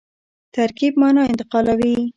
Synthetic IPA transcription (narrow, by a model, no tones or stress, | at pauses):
t̪aɾkib̚mɑnɑɪnt̪ɪqɑlawi